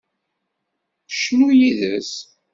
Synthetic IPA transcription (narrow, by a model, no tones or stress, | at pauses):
ʃnujiðəs